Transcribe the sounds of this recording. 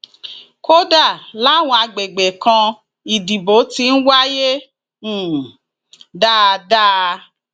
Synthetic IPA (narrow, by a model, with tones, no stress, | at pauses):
ko˦da˦˨la˦˨w̃ɔ̃˧a˧ɡ͡be˨ɡ͡be˨kã˧ | i˨di˨bo˨˦ti˧n̩˦wa˦jẽ˦˨ | da˦˧da˦˧